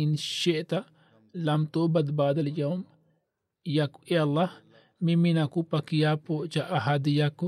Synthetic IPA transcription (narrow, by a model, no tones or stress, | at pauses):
inʃeʔt̪a | lɐmt̪obɐd̪baːd̪ɐljawm | jakueɐlːah | miminakupɐkijapoʔt͡ʃaʔɐɦad̪ijaku